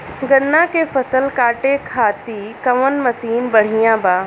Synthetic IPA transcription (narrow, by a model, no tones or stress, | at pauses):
ɡɐnːãkefɐsəlkaːʈekʰaːt̪ikɐʋənmɐsiːnbɐɽ̤ijãːbaː